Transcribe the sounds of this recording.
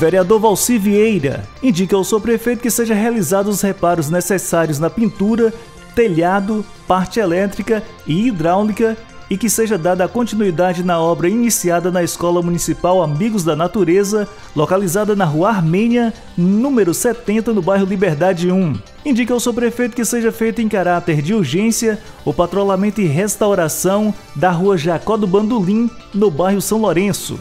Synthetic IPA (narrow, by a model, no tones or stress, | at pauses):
veɾiad̪oɾvawsiviejɾɐ̰ĩd͡ʒikɐʊsewpɾefejt̪̬ʊ̥kɪseʒɐɦealizad̪ʊʊshepaɾʊznesesaɾjʊznɐpĩnt̪uɾɐ | t̪eʎad̪ʊ | paɾt͡ʃɪɛlɛt̪ɾikɐ | ɪid̪ɾawnikɐ | ɪkɪseʒɐd̪ad̪ɐːkõnt͡ʃinuid̪ad͡ʒɪnɐɔbɾɐinisiad̪ɐnɐeskɔlɐmũnisipawamiɡʊzd̪ɐnat̪uɾezɐ | lokalizad̪ɐnɐɦuɐaɾmẽniɐ | nũmeɾʊsɛt̪ẽnt̪ɐnʊbajɦʊlibeɾd̪ad͡ʒɪũ | ĩd͡ʒikɐwsopɾefejt̪ʊ̥kɪseʒɐfejt̪ʊẽj̃kaɾat̪eɾd͡ʒiuɾʒẽsiɐ | ʊpat̪ɾolamẽnt̪ʊɪɦest̪awɾasɐ̃w̃ | d̪ɐɦuɐʒakɔd̪ʊbɐ̃nd̪olĩnʊbajɦʊsɐ̃w̃loɾẽsʊ̰